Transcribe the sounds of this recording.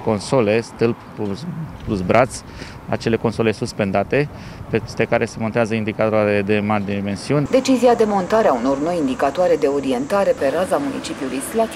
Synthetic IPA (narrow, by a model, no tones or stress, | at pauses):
ko̞nsole̞st̪ɨlppusplusbɾʔat̪sʲ | a̰t͡ʃe̞le̞ko̞nso̞le̞suspe̞nd̪at̪e̞ | pest̪ekaɾʔese̞mont̪eazəind̪ikat̪aeed̪emad̪ime̞nsiunʲd̪e̞t͡ʃiziad̪e̞mo̞nt̪aɾeauno̞rno̞jind̪ikat̪oaɾe̞d̪e̞o̞ɾie̞nt̪aɾe̞pe̞ɾazamunḭt͡ʃipjuluijslat̪